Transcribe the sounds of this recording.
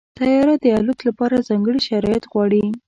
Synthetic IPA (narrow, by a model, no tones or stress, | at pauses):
t̪ajɑɾad̪əalut̪lapɑɾazɑŋɡəɽiʃaɾɑjat̪ɣwɑɽi